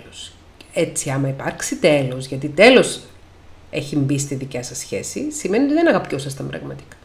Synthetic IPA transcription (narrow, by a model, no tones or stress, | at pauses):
los | e̞t͡siɐmɐipɐɾksit̪e̞lo̞zʝɐt̪it̪e̞lo̞s | e̞çimbist̪iðicɐsɐsçe̞sisimeniot̪iðenɐɣɐpcosɐst̪ɐmbɾɐ̰ɣmɐt̪i̥kɐ̥